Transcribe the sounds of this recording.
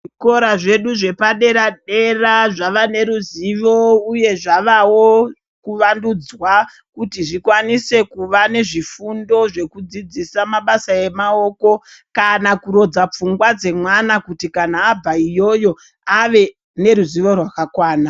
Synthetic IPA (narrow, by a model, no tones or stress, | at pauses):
iko̞ɾaʐe̞ɗuʐe̞paɗe̞ɾaɗe̞raʐaʋane̞ɾuziʋo̞uje̞ʐaʋawo̞ | kuʋandud͡zwa | kutiʐikwanise̞kuʋane̞ʐifundo̞ʐe̞kud͡zid͡zisamaɓasaje̞mao̞ːko̞kanakuɾo̞d͡zap͡fuŋɡwad͡ze̞mwanakutikanaːbʱaijo̞jo̞ | aʋe̞ | ne̞ɾuziʋo̞rwakakwaːna